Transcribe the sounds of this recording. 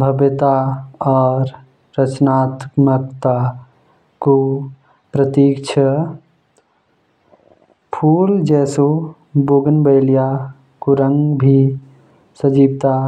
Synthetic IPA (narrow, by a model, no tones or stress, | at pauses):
bʱəbet̪aɔːɾ | ɾət͡ʃnat̪məkt̪a | ko | pɾət̪ikt͡ʃʰə | pʰuld͡ʒɛso | boɡənbəɪlja | kuɾə̃ŋɡbʱi | səd͡ʒibt̪a